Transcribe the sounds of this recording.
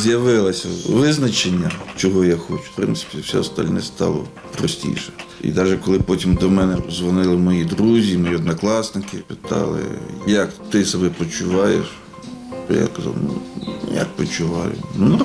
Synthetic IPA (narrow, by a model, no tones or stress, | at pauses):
zjɐʋɪlˠɐsʲɐʋɪznɐt͡ʃenʲːɐt͡ʃɔɦɔjaxɔt͡ʃw̥pɾɪnt̪sɪ̥pʲiwsʲɛ̰ɔst̪ɐ̰lʲnɛst̪ɑ̰lˠɔ̰ | pɾɔsʲtʲḭʃɛ̥ḭd̪ɑʒɛkɔlˠɪpɔtʲimd̪ɔmɛnɛzʋɔnɪlˠɪmɔjid̪ɾuzʲimɔjiɔd̪nɐklˠɑsnɪkɪpɪt̪ɑ̰lˠɪ̰jɐkt̪ɪsɔbɛpɔt͡ʃʊʋɑjḛʃ | t̪ɔ̰ja̰kɐzɑ̰lnṵjɐ̰k̚pɔt͡ʃʊʋɑjʊ̰nun